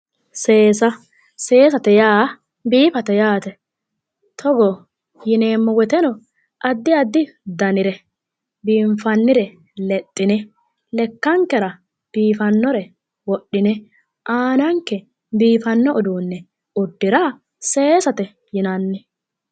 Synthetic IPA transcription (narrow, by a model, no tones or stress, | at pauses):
se̞ːsɐ | se̞ːsɐt̪ɛjaː | biːfɐt̪ɛjaːt̪ɛ | t̪ʰɔɡɔ | jɪne̞ːmːɔwɛt̪ɛnɔ | ʔɐd̪ːɪɐd̪ːɪd̪ɐnɪɾɛ | biːmfɐnːɪɾɛ | lɛt̪ʼːɪnɛ | lɛkːɐŋkːɛɾɐ | b̥iːfɐnːɔɾɛ | wɔɗːɪnɛ | ʔaːnɐŋkːɛ | biːfɐnːɔʔɔd̪uːnːɛ | ʊd̪ːɪɾa | se̞ːsɐt̪ɛ | jɪnɐnːɛ